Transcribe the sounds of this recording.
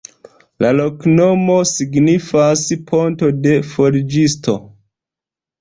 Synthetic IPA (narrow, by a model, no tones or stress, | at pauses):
lalo̞kno̞mo̞siɡnifaspʰo̞nto̞de̞fo̞ɾid͡ʒisto̞̰